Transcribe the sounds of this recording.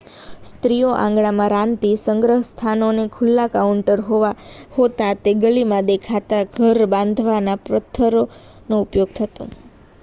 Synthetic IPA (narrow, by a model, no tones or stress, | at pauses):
st̪ɾijoʔã̰ŋɡɽamãɾãnt̪isəŋɡɾəɦəst̪ʰanonekʰʊlːakauɳʈəɾɦoʋahot̪at̪eɡəlimãd̪ekʰat̪aɡʱəɾbãnd̪ʱʋanapɾət̪ʰːəɾo | noupjoɡ̚t̪ʰət̪ṵ̃